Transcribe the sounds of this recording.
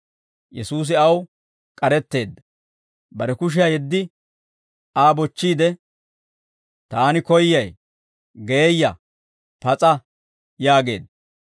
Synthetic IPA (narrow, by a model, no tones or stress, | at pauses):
jɛ̰suːs̬ɪɐw | kʼɐɾɛt̪ːe̞ːd̪ːɐ̥ | bɐɾɛkʊʃ̬ɪjɐjɛd̪ːɪ | aːbɔt͡ʃːiːd̪ɛ | t̪aːnɪkɔjːɐj | ɡeːjːɐ | pɐt͡sʼɐ | jaːɡe̞̰ːd̪ɐ